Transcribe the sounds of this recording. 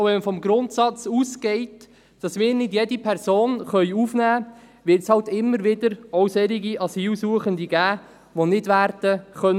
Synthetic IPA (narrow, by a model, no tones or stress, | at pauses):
ʋɛməfɔmɡɾʊntsɑt͡suːsɡɛɪt | d̥ɑsmɪːɾnɪdjɛdipʰɛɾsoːnχœʏuːfnæː | ʋɪɾtshɑltɪmːəɾʋɪdəɾɔwsɛɾiɡiʔɑsiːlsuəχənd̪iɡæː | ʋonɪdʋæːɾd̥əχœn